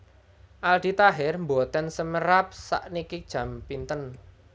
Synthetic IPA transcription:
ʔald̪̥i̤t̪aɦɪrmbot̪ɛnsəməɾap̚sa̰ʔnikid̥ʒ̥ä̤mpint̪ən

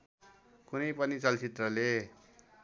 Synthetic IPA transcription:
kunʌjpʌnit͡sʌlt͡sit̪rʌle

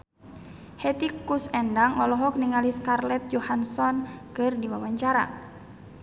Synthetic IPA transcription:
hɛt̪ikusɛndaŋɔlɔɦɔk̚niŋaliskarlɛt̪̚d͡ʒɔhansɔnkɨrdiwawaɲt͡ʃaɾa̰

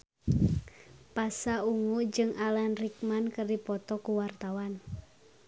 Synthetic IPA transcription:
pasauŋud͡ʒɨŋʔalanrik̚mankərdipɔt̪ɔkuwart̪awan

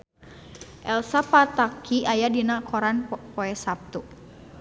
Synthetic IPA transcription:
ʔɛlsapat̪akʰiajadinakʰɔɾanpɔɛsap̚t̪u

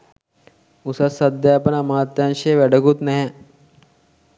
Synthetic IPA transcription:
usɐsɐd̪jaːpənamaːt̪ːjanʃeʋɛɖəɡut̪nɛɦɛ

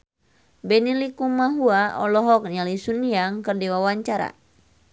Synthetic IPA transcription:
bɛnilikumaɦuaɔlɔɦɔk̚nalisunijaŋkɨrdiwawaɲt͡ʃaɾa̰

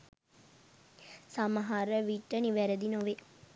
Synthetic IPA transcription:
samɐɦaɾəʋiʈːəniʋæɾed̪inoʋe

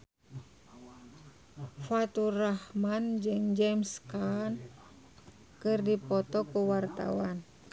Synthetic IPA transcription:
fat̪urahmand͡ʒɨŋd͡ʒɛmskan | kɨrdipɔt̪ɔkuwart̪a̰wan

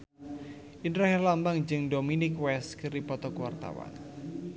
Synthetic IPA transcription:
ʔindɾɔɦɛlambaŋd͡ʒɨŋdominɪkwɛskɨrdipɔt̪ɔkwa̰rt̪a̰wa̰n

